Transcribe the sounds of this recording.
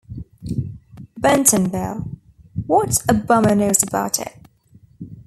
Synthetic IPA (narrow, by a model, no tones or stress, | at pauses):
b̥ɛ̃ntʰə̃nbɛlˠ | wɒtəbʌmənəʊzəbaʊtʰɪ̰ʔ̚